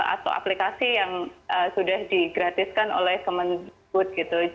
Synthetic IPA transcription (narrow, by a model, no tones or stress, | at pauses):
a̰t̪a̰wa̰plikasijaŋəsudahdiɡɾat̪ɪskano̰lɛhkəmənbʊt̪̚ɡit̪u